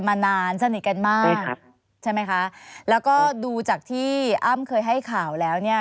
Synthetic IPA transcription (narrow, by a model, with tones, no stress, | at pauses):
maː˧naː˧nsa˧ni˨˩t̪̚ka˧nmaː˥˩˥k̚ | t͡ɕʰa˥˩jma˦˥jkʰa˦˥ʔlɛː˦˥wkɔː˥˩duː˧t͡ɕaː˨˩k̚t̪ʰiː˥˩ʔaː˥˩mkʰɤː˧jɦa˥˩jkʰaː˨˩wlɛː˦˥wni˥˩ɐ